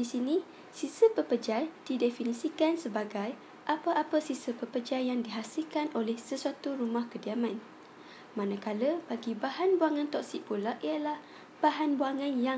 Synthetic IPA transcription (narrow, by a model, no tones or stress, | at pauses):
disinĩ | sisəpəpəd͡ʒajd̥idefinĩsikansəbaɡaj | ʔapaʔapəsisəpəpəd͡ʒajaŋdiɦasilkanʔolɛhsəsuat̪uɾumãhkədiamãn | mãnãkaləbaɡibahanbuaŋãnt̪ɔksik̚pulaʔiəlah | b̥aɦanbuaŋãnja